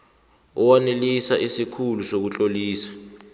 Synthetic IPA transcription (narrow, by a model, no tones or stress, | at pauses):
ɔwanelisaʔisikʰulusok̬ut͡ɬʼoliːsḁ